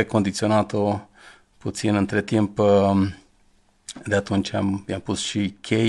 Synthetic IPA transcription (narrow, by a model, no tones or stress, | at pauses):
eko̞nd̪it̪sio̞nat̪o | put̪sinɨnt̪ɾet̪imp | d̪eat̪unt͡ʃamjampusʃikʰʲe